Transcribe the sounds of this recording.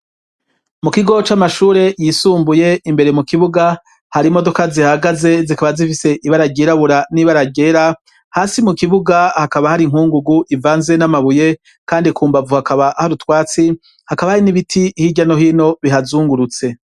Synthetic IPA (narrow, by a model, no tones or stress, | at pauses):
mukiɡo̞t͡ʃamaʃuːɾe̞jisuːmbuje̞imbe̞ɾe̞mukiβuɡa | haɾimo̞do̞kazihaɡaze̞zikaβazifise̞ʔiβaɾaɟeɾaβuɾaniβaɾaɟe̞ɾa | haːsimukiβuɡahakaβahaɾiŋ̥huːŋɡuɡuʔivaːnze̞namaβuje̞ | kaːndikuːmbavuhakaβahaɾutwaːt͡si | hakaβahaɾiniβitʰihiɟano̞ɦino̞βiɦazuːŋɡuɾut͡se̞